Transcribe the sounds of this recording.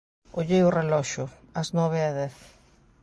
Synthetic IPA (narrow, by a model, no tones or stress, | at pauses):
oʎejʊrelɔʃʊ | aznɔβɪaðɛθ